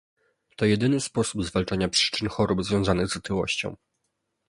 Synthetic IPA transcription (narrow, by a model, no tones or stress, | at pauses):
t̪ɔjɛd̪ɘnɘspɔsubzvalt͡ʂaɲapʂɘ̥t͡ʂɘnxɔɾubzvʲjɔ̃w̃zanɘɣzɔt̪ɘwɔ̰ɕt͡ɕɔ̰̃w̃